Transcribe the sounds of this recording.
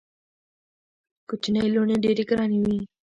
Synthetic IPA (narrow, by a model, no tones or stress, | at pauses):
kʊt͡ʃʰnɐiloːneːɖeːɾikɾaːniːʋiː